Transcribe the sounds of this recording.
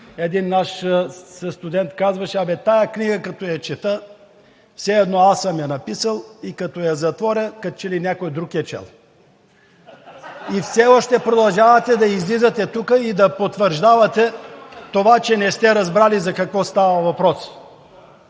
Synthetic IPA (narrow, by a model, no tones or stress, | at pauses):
ɛd̪inːaʃsəst̪ud̪ɛnt̪kazvɐʃɛɐbɛt̪ajəkniɡəkɐt̪ɔjɐt͡ʃɛt̪ə | fsɛɛd̪nɔasəmjɐnɐpisəlˠikɐt̪ɔjɐzɐt̪vɔɾʲəkɐt͡ʃɛlinʲakojd̪ɾukijət͡ʃɛ̰lˠ | ifsɛɔʃt̪ɛpɾod̪ɐlˠʒavɐt̪ɛd̪ɐizlizɐt̪ɛt̪ukəid̪ɐpot̪vəɾʒd̪avɐt̪ɛt̪ovat͡ʃɛnɛst̪ɛɾɐzbɾalizɐkɐkvɔst̪avɐvɐpɾɔs